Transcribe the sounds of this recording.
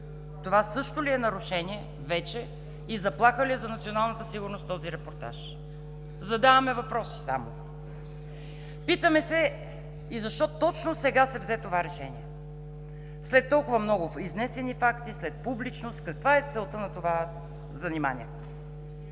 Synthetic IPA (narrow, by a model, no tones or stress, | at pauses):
t̪ovasɤʃt̪ʊliɛnɐɾʊʃɛnʲiɛ | vɛt͡ʃɛ | izɐplˠaxəliɛzɐnɐt̪sionalˠnət̪əsiɡʊɾnost̪t̪ɔziɾɛpoɾt̪a̰ʃ | zɐd̪avɐmɛvɐpɾɔsi̥sa̰mo̰ | pit̪əmɛsɛ | izɐʃt̪ɔt̪ɔt͡ʃnosɛɡasɛvzɛt̪ovaɾɛʃɛnḭɛ | slɛt̪ːɔlˠkʊvɐmnɔɡʊiznɛsɛnifakt̪islɛt̪̚publit͡ʃnost̪kɐkvaɛt̪sɛlˠt̪ənɐt̪ova | zɐnima̰nʲḭɛt̪